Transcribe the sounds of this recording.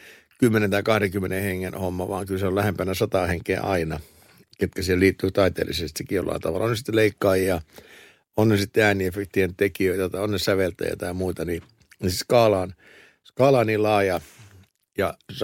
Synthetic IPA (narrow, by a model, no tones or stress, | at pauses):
kymːenent̪ɑikɑhɾeŋkymːenẽheŋːenhomːɑʋɑ̰ːŋkylseollæhempænæsɑt̪ɑheŋkḛːʔɑinɑ | ket̪kæsieliːt̪ːyːt̪ɑit̪ḛːlḭsest̪ikːijo̰lːɑ̰int̪ɑ̰ʋɑ̰lonesi̥t̪ːeleikːɑːjijɑ | onːesit̪ːeæːniefekt̪ient̪ekiøit̪æt̪ɑionːessæʋelt̪æ̰jɑ̰t̪ɑjɑmuit̪ɑni | nisskɑːlɑːn | skɑːlɑːniːllɑːjɑ | jɑ